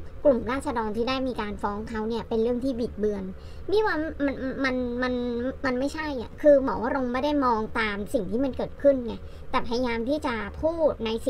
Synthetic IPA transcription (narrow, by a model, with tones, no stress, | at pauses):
klu˨˩mɾaː˥˩t̪̚sa˧dɔː˧nt̪ʰiː˥daː˥˩jmiː˧kaː˧nfɔː˦˥ŋkʰa˦˥wni˥˩ɐpe˧nɾɯ˥˩əŋt̪ʰiː˥˩biː˨˩t̪̚bɯ˧ən | miː˦˥˩waː˥˩ma˧nma˧nma˧nma˧nma˥˩jt͡ɕʰa˥˩jʔa̰˨˩kʰɯː˧mɔː˩˦wʔa˥ɾo˧ŋmaː˥˩daː˥˩jmɔː˧ŋt̪aː˧msi˨˩ŋt̪ʰiː˥˩ma˧nkɤː˨˩t̪̚kʰɯ˥˩nŋa˧˩ | t̪ɛː˨˩pʰa˧ja˧jaː˧mt̪ʰiː˥˩t͡ɕa˨˩pʰuː˥˩t̪̚na˧jsi˨˩